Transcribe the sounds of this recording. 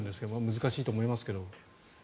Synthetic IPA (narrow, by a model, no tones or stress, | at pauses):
nd̪e̞sɨ̥keomamɯzɨkaɕiːt̪o̞ːmo̞imasɨ̥ke̞d̪o̞